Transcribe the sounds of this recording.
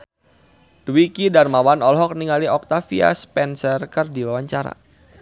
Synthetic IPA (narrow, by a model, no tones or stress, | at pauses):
d̥wikidarmawanɔlɦɔk̚niŋaliɔk̚t̪afia̰spɛnsərkərdiwawaɲt͡ʃaɾa̰